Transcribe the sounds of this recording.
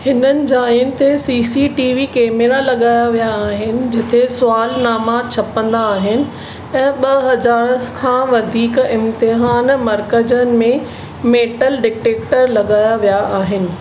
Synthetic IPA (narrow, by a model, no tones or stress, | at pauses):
hɪnənɪ̆d͡ʑaːiʊnɪ̆t̪ʰesiːsiʈiːʋikeːmeɾalɐɠaːjaʋijaːɦɪnɪ̆d͡ʑɪt̪ʰesʊaːlnaːmat͡ɕʰɐpə̃nd̪aːɦɪnɪ̆ | ɛ̃ːɓɐɦɐd͡ʑaːɾəskʰãːʋɐd̪ʱiːkɪ̃mt̪ɪɦaːnmɐɾkəd͡ʑənɪ̆mẽ | meːʈəlɖɪk̚ʈeːk̚ʈəɾlɐɠaːjaʋijaʔaːɦɪnɪ̆